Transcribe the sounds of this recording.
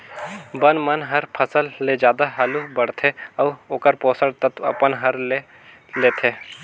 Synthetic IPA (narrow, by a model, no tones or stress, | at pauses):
bənmɐnɦɐɾpʰəsəlːed͡ʒjaːd̪aɦaːlubɐɽt̪ʰeɐːoːkəɾpoːsəɽt̪ɐt̪ɐ̰pənɦɐɾle | leːt̪ʰeː